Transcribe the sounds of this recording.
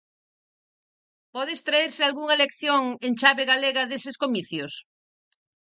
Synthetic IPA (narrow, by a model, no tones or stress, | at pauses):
pɔðeːst̪ɾaeɾsɪalɣuŋɐelekθjoŋent͡ʃaβeɣaleɣɐðeseskomiθjos